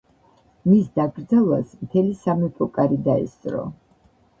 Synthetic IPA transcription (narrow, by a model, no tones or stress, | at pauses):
misd̪aɡɾd̪zalˠwasmt̪ʰɛlisamipʰʼɔkʼaɾid̪aɛ̰st̪sʼɾɔ̰